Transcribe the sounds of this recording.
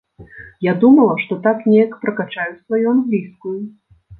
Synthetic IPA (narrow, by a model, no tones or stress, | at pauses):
jad̪umɐlˠɐʂt̪ɔt̪aknʲɛjɐkpɾɐkat͡ʂajusvajuanɣlʲiskuju